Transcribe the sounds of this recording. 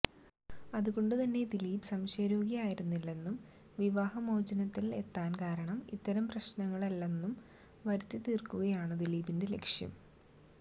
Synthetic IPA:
ɐðuɣo̞ɳɖɨt̪ɐnːe̞d̪iliːbsɐmɕɐɾoːɡijaːjiɾunːilːe̞nːum | ʋiʋaːhɐmo̞ːd͡ʑɐnɐt̪ːile̞t̪ːaːnkaːɾɐɳɐmḭt̪ːɐɾɐmprɐɕnɐŋːɐɭɐlːe̞nːum | ʋɐɾut̪ːit̪ːiːrkuɣɐjaːɳɨd̪iliːbinde̞le̞̰kʂjɐ̰m

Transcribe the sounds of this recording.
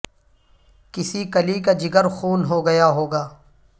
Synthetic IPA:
kɪsikɐlikad͡ʒɪɡəɾxuːnɦoɡɐjaːɦoːɡaː

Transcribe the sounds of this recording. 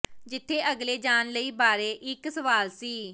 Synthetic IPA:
d͡ʒɪt̪ʰːeːʔəɡleːd͡ʒaːnləiːbaːɾeːʔɪksəʋaːlsiː

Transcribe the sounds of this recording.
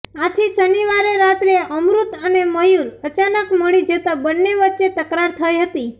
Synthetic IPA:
at̪ʰisəniʋaɾeɾat̪ɾeəmɾut̪əneməjuɾət͡ʃanəkməɭid͡ʒət̪abənːeʋətːʃet̪əkɾaɾt̪ʰəjɦət̪i

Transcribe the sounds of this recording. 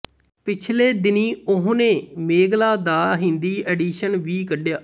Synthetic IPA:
pɪt͡ʃʰleːd̪ɪniːʊɦõːnẽːmeːɡlaːd̪aːɦɪ̃nd̪iːʔɛːɖiːʃənʋiːkəɖjaː

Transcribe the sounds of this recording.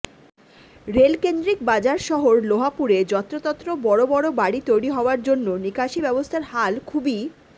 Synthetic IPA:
ɾelkend̪ɾik̚bad͡ʑaɾʃɔɦoɾloɦapuɾed͡ʑɔt̪ːɾot̪ɔt̪ːɾobɔɽobɔɽobaɽit̪ojɽiɦɔoaɾd͡ʑonːonikaʃibɛbost̪ʰaɾhalkʰubi

